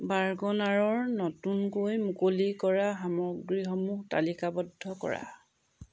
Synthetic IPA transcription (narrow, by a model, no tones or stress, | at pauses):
baɹɡɔnaɹɔɹnɔtunkojmukolikɔɹaɦamɔɡɹiɦɔmuta̰likabɔdʱːɔkɔ̰ɹa̰